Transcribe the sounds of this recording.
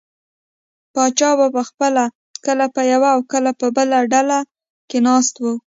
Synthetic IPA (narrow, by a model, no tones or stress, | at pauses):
pɑt͡ʃɑbapəxpəla | kəlapəjawaːwkəlapəbəlaɖala | kenɑst̪wə